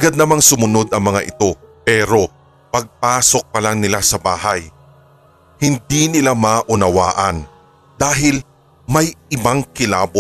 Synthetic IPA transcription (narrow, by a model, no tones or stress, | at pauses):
ʔɐɡad̪̚nɐmaŋsʊmʊno̞d̪ɐŋmɐŋaʔɪt̪o̞pɛːɾo̞ | pɐɡ̚paːso̞k̚pɐlaŋnɪlasɐbaːɦɐj | hɪnd̪inɪlamaːʔʊnɐwaːʔɐn | d̪̥aːɦɪl | mɐjɪbaŋkɪlaːbo